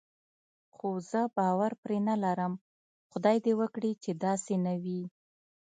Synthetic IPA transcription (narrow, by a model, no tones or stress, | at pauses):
xozəbɑwaɾpɾenalaɾəm | xʊd̪ɑjd̪ewəkɽit͡ʃed̪ɑsenawi